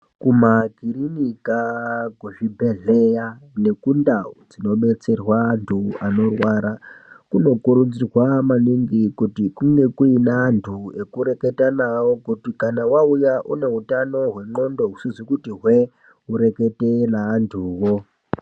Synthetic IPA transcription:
kumaɡʱirinikakuʐibʱe̞ɮe̞jane̞kundaud͡zino̞ɓe̞t͡se̞rwaːntʰuano̞rwaɾakuno̞kuɾud͡zirwamaniŋɡikutikuŋɡe̞kuinaːntʰue̞kuɾe̞ke̞tanawokutikanawaujaʔṵne̞ɦutano̞ɦwe̞ŋ͡ǃo̞ndo̞ɦusizwikutiɦwe̞ | uɾe̞ke̞tenaːntʰuːwo

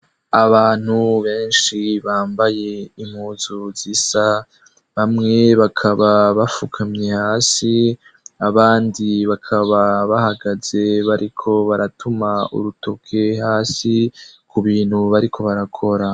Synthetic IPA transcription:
aβaːn̥huβe̞ːnʃiβaːmbaje̞im̥huːzuzisa | βamŋe̞βakʰaβaβafukʰamɲehaːsi | aβaːndiβakʰaβaβahaɡaze̞βaɾʔikʰo̞βaɾatʰumaṵɾutokʰe̞ɦaːsikuβiːnhuβaɾikʰo̞βaɾakʰo̞ɾa

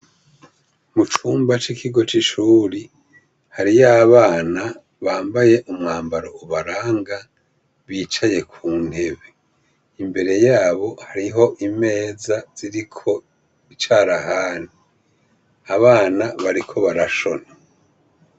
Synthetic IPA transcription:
mut͡ʃuːmbat͡ʃikʰiɡo̞t͡ʃiʃuːɾi | haɾijaβaːna | βaːmbaje̞ʔumŋaːmbaɾo̞uβaɾaːŋɡa | βiːt͡ʃaje̞kʰuːn̥he̞βe̞ | imbe̞ɾe̞jaːβo̞haɾiɦo̞ʔime̞ːzaz̥iɾikʰo̞ | it͡ʃaːɾahaːni | aβaːnaβaɾikʰo̞βaɾaʃo̞na

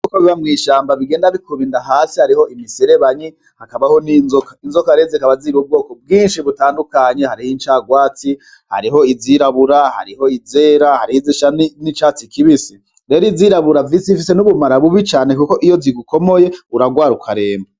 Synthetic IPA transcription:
kukoβiβamŋiːʃaːmbaβiɡeːndaβikʰuβindaɦaːsihaɾiho̞imiseɾeβaɲi | hakaβaho̞ninzokainzo̞kaɾezikaβaziɾub̚ɡo̞ːko̞b̚ɡiːnʃiβutaːndukaɲehaɾihint͡ʃaːɡwaːt͡si | ha̰ɾiɦo̞iziɾaβuɾaha̰ɾiho̞izeːɾahaɾihiziʃannit͡ʃaːt͡sikiβisi | ɾe̞ːɾiziɾaβuɾavisifise̞nuβumaɾaβuβit͡ʃaːne̞kuko̞ʔijo̞ziɡuko̞mo̞je̞uɾaɡwaːɾukʰaɾe̞ːma

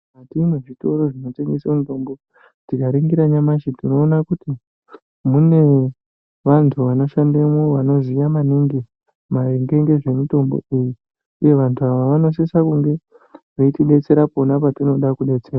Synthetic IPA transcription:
atinoʐito̞ɾo̞ʐino̞te̞ŋɡesemito̞mbo̞ | tikaɾiŋɡiɾaɲamaʃitino̞ːnakuti | mune̞ | ʋantʰuʋano̞ʃandemoʋano̞zijamaniŋɡe | maeŋɡe̞ŋɡe̞ʐe̞mito̞mbo̰iji | uje̞ʋantʰuaʋaʋano̞s̬esakuŋɡe̞ | ʐeitiɗe̞t͡se̞ɾapo̞napatino̞ɗakuɗe̞t͡se̞ːɾa

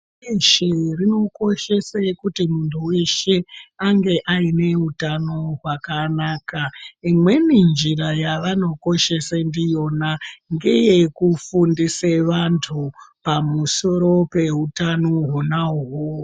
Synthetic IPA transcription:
eʃerino̞ko̞ʃe̞sakutimuntʰuwe̞ʃe̞aŋɡe̞ʔaine̞utano̞ɦwakanaːkaimwe̞nind͡ʒirajaʋano̞ko̞ʃe̞sandijo̞naŋɡejekufundiseʋantʰupamuso̞ɾo̞pe̞ɦutanoɦunauɦo

